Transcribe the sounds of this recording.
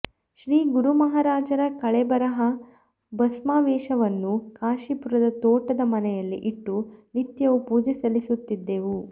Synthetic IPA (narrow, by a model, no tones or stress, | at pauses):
ʃɾiːɡuɾumɐɦaːɾaːd͡ʒɐɾɐkɐɭɛbɐɾɐɦɐ | bɐsmaːʋɛːʃɐʋɐnːukaːʃipuɾɐd̪ɐt̪oːʈɐd̪ɐmɐnɛjɐlːḭʔiʈːunit̪jɐʋupuːd͡ʒisɐlisut̪ːid̪ːeʋu